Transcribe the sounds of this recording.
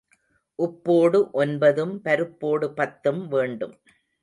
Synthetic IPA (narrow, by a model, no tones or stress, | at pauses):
ʔʊpːoːɽɯʔɔnbɐðɯmpɐɾɯpːoːɽɯpɐt̪ːɯmʋeːɳɖɯm